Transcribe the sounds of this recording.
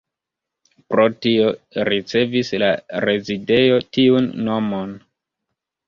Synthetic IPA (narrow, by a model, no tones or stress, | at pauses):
pɾo̞tio̞ɾit͡se̞vislaɾe̞zide̞jo̞tiunːo̞mo̞n